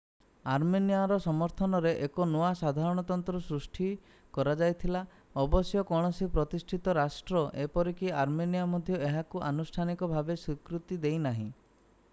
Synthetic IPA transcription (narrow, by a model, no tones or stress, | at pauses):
aɾmenijaɾɔsɔmɔɾt̪ʰɔnɔɾeʔekɔnoasad̪ʱaɾɔɽ̃ɔt̪ɔnt̪ɾɔsɾusʈʰi | kɔɾad͡ʒajt̪ʰila | ɔbɔsjɔkɔɽ̃ɔsipɾɔt̪isʈʰit̪ɔɾasʈɾɔʔepɔɾikiaɾmenijamɔd̪ʱjɔeɦakuʔanusʈʰanikɔbʱabeswikɾut̪id̪ejnaɦḭ̃